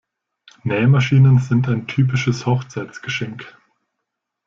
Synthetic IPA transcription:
nɛːəmaʃiːnənzɪntaɪntʰyːp̬ɪʃəshɔχt͡saɪt͡sɡ̥əʃɛŋk

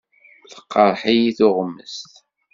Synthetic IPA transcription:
θə̥qːəɾˤħijiθʊʁəmːəst̪

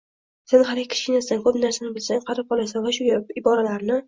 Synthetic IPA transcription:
senɦalɡʲɪkʲʰɪ̥ʃkʲɪnasd̪ankʰɵpnaɾsanɪbɪlsaŋqʰɑɾɪp̚qʰɒlˠasanvaʃʊjɪbɒɾalaɾnɪ

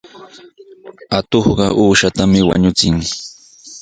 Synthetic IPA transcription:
at̪oχɢɑʔuːʃat̪amɪwa̰ɲʊt͡sɪŋ

